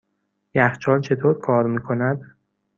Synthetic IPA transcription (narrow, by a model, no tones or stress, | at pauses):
jæxt͡ʃʰɒːnt͡ʃʰe̞t̪ʰoːɾkʰɒːɾmiːkʰo̞næd̪